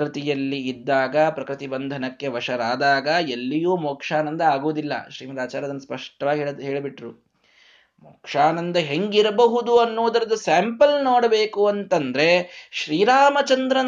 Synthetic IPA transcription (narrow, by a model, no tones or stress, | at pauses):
ɾit̪ijɐlːiːd̪ːaːɡɐpɾɐkɾɪt̪ibɐnd̪ʱɐnɐkːe̞ʋɐʂɐɾaːd̪aːɡɐelːijuːmoːkʂaːnɐnd̪ɐaːɡuʋud̪ilːɐ̰ʃɾiːmɐd̪aːt͡ʃaːɾɐd̪ɐnːɐspɐʂʈɐʋaːɡieɭɦeːɭbiʈɾu | moːkʂaːnɐnd̪ɐɦeŋɡiɾɐbɐɦud̪uɐnːuʋɐd̪ɐɾɐd̪usaːmpɐlnoːɽɐbe̞ːkuɐnt̪ɐnd̪ɾe̞ʃɾiːɾaːmɐt͡ʃɐnd̪ɾɐn